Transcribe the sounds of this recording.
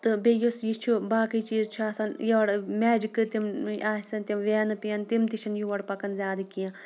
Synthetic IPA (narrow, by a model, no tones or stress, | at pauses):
t̪ɨbejusjist͡ʃʰubaːkit͡ʃiːzt͡ʃʰuɐsɐnjiʋɐɽmɛːd͡ʒikɨt̪imaːsɐnt̪ʲimʋeːnɨpijɐnt̪imt̪iʃʰɐnjuʋɐɽpɐkɐnzʲaːd̪ikiã